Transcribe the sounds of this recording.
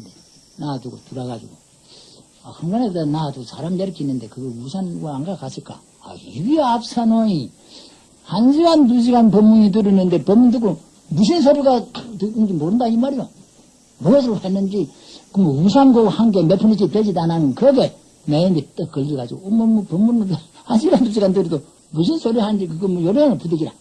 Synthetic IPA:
nde | naduɡotuɾaɡad͡ʑḭɡo | ahʰɯŋɡanebtanadusʰaɾamijeɾkʰinːɯnde̞kɯɡeusʰanɡaaŋɡakasʰik͈a̰ | a̰hibiap̚sʰanoi | hanɕʰiɡant̬uɕ̬iɡanpʌmːuŋit̬ɯɾɯnːɯnde̞pʌmːuŋt̬ɯk̬ːo | muɕ̬ʰins̬ʰaɾiɡatɯɾɯnd͡ʑimoɾɯndaimaɾijo | moɡʌs̬ʰɯɾohanːɯnd͡ʑi | kɯmousʰanɡohaŋɡemepʰunɯt͡ɕited͡ʑidananɯnkɯɡe | meimit͈ɯk͈ːɯɭɡiɡad͡ʑiɡoomomopʌmːun | hanɕʰiɡantuɕʰiɡandɯɾido | muɕ̬ʰinsʰoɾihannd͡ʑikɯɡʌmojoɾɯenɯpudeɡiɾa̰

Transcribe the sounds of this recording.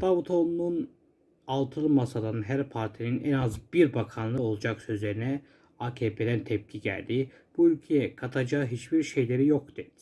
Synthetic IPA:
d̪̥ɑvut̪ʰo̞nːun | ɑlˠt̪ʰɯlˠmɑsɑd̪ɑnɦæɾpʰaɾt̪ʰininænɑzbiɾbɑkʰɑnlˠɯo̞lˠɑd͡ʒɑksø̞zlʲeɾinɛ | ɑcʰepʰed̪ænt̪ʰep̚cʰiɟæ̰lʲd̪i | b̥uylʲcʰejɛkʰat̪ʰɑd͡ʒɑɦit͡ʃb̥iɾʃe̞jleɾijo̞kt̪ɯ

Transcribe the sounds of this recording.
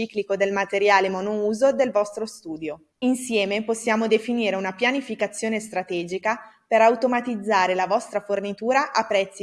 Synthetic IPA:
iklikod̪elmat̪eɾjaːlemɔnuuːzod̪elvɔst̪ɾost̪uːd̪jo | insjɛːmeposːjaːmod̪efiniːɾeunapjanifikat̪sːjoːnest̪ɾat̪ɛːd͡ʒikapeɾawt̪omat̪id̪zːaːɾelavɔst̪ɾafornit̪uːɾaʔapːɾɛt̪sːi

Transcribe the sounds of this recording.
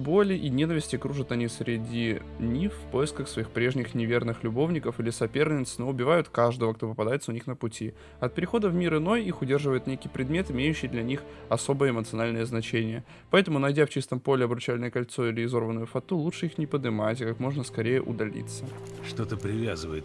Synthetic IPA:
bo̞lʲɪʔinʲe̞nəvʲɪsʲtʲɪkɾuʐɨt̪ɐnʲifsɾʲɪdʲi | nʲifpo̞jɪskəxsvɐixpɾʲe̞ʐnʲɪxnʲɪvʲe̞rnɨxlʲʊbo̞vnʲɪkəfilʲɪsɐpʲe̞rnʲɪt̪snoʊbʲɪvajʊt̪kaʐd̪əvəkt̪o̞pəpɐd̪ajɪt̪səʊnʲixnəpʊtʲi | ɐt̪̚pʲɪɾʲɪxo̞d̪əvmʲiɾɨno̞jixʊdʲe̞rʐɨvəjɪt̪nʲekʲɪjpɾʲɪd̪mʲe̞t̪ɪmʲejʉɕːɪjd̪lʲɐnʲixɐso̞bəjəɪmət̪sɨɐnalʲnəjəznɐt͡ɕenʲɪjə | pɐɛt̪əmʊnɐjdʲaft͡ɕist̪əmpo̞lʲɪɐbɾʊt͡ɕælʲɪnəjəkɐlʲt̪so̞ilʲɪɪzo̞rvənːəjʊfɐt̪ulˠut͡ʂʂɨixnʲɪpəd̪ɨmatʲɪkakmo̞ʐnəskɐɾʲejə̰ʔʊ̰d̪ɐlʲḭt̪sːəʂt̪o̞t̪əpɾʲɪvʲazɨvəjɪt̪

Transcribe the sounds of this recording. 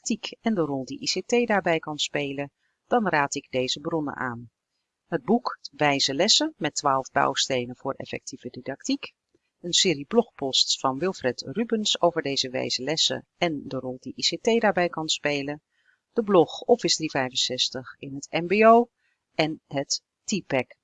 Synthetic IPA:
k̚tikɛndərɔlˠdiʔisetejdaːɹbɛjkɑnspejlə | d̥ɑnraːtɪɡ̚dejzəbrɔnə̰ʔa̰ːn | ɦəd̚bukʋɛjzəlɛsəmɛtːʋaːlˠvba̰wstejnənvʊːɹɛ̰fɛ̰k̚tʰivədidɑk̚tik | ənsɪːɾiblɔχpɔstfɑnʋɪlˠfrɛtrybənsowvəɹdejzəʋɛ̰jzəlɛsə̰ɛndərɔlˠdiʔisetejdaːɹbɛjkɑnspejlə | d̥əblɔχɔpfɪsdrivɛjvənsɛstəχɪnɦətɛmbeow | ɛnɦət | tːipɛk

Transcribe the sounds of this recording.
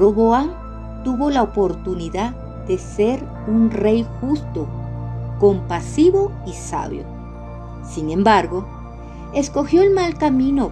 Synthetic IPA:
oβoan | t̪uβo̞laopo̞ɾt̪uniðað | ð̥e̞se̞ɾ | unre̞jxust̪o̞ko̞mpasiβo̞ | isa̰βjo̞̰ | siŋẽ̞mbaɾɣo̞ | e̞sko̞xjo̞elmalkamĩno

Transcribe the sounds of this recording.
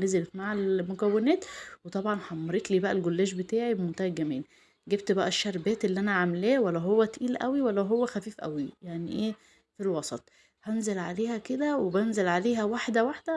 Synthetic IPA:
nezelefmaʕalmokæwːenæːt̪wet̪ˤɑbʕɑnħɑmːɑɾet̪liːbæʔælɡolːæːʃ̬bet̪aːʕibemont̪æhæɡæmiːn | ɡebt̪bæʔæʃːæɾˤbæːt̪elːiʔænæʕamelæːwælːæɦowːæt̪ʔiːlʔæ̰wiwælːæɦowːæxæfiːfʔæ̰wijaʕniʔeː | filwɑsˤɑt̪ˤ | hænzelʕaleːhæked̪æwebænzelʕaleːɦæwaħd̪æwaħd̪æ

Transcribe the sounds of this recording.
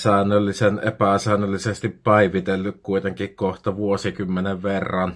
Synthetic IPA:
sæˑenːˑølːisenʔḛpæsæːˑnˑølːisest̪ippæˑiʋit̪elːykkuit̪eŋkikkoht̪ɑʋuosikymːeneʋʋerːɑn

